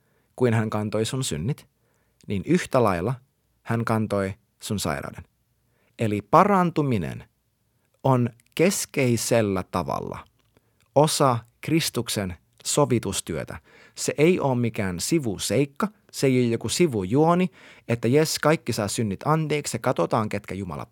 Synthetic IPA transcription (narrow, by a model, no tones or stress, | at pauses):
kuinhæŋkɑnt̪o̞isunsy̰nːit̪ | niːnyht̪ælɑilːˑɑ | hæŋkɑnt̪oi | sunsɑ̰jɾɑ̰wden | elipɑrɑnt̪uminḛn | on | ke̞skeiselːæt̪ɑʋɑ̰lːɑ̰ | osɑkrist̪uksen | soʋit̪ust̪yøt̪æ̰ | seʔeioːmmikæːnsiʋuseikːɑ | seeijojjokusiʋujuoniet̪ːæjeskɑikːisɑːsynːit̪ɑnt̪eːksjɑkɑt̪ot̪ɑːŋket̪kæjumɑ̰lɑ̰